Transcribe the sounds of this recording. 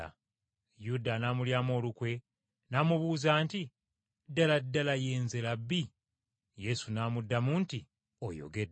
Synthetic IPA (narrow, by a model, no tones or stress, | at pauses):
a̰ | judanaːmuljaːmo̞ːlukwe̞ | naːmuβuːzaːnti | dːaladːalajeːnzelabːi | je̞sunaːmudːamuːnti | o̰jo̞̰ɡed